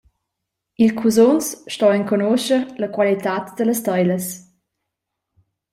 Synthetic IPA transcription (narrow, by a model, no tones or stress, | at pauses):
ilkʰuzonsʃtɔɛŋkonoʃəɾləkwalit̪at̪d̪̥ələst̪ɔjləs